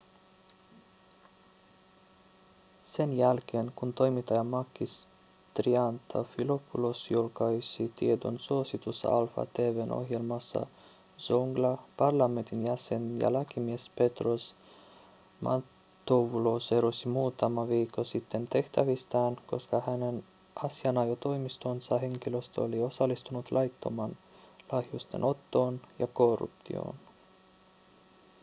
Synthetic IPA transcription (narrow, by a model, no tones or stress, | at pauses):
se̞njælk̟e̞ːnkunt̪o̞jmit̪ːɑjɑmɑkːis | t̪riɑnt̪ʰɑ̰filopʰːulosjulkɑjsit̪ied̪o̰nsuosit̪usːɑ̰ɑlfɑ̰t̪eːʋeno̞̰hjelmɑsːɑ̰ | z̥oŋɡlɑpɑrlɑme̞nt̪injæse̞njɑ̰læk̟imiespe̞t̪ros | mʔɑ̰ | t̪ːoʋuloseɾusimuːt̪ɑmɑʋiːkːosit̪ːe̞nt̪e̞ht̪æʋist̪ɑːnko̞skɑhænen | ʔɑsiɑnɑjot̪o̞imist̪onsɑɦe̞ŋk̟iløst̪o̰lio̞sɑlːist̪unut̪lʔɑjt̪ːo̰mɑːnlɑhjust̪ḛnʔo̞t̪ːoːnjɑkorːṵpt̪ḭo̰ːn